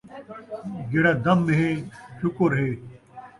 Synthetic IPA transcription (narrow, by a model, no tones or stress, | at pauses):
ɡeɽɐd̪ɐmːeɦeɕukoɾɦeː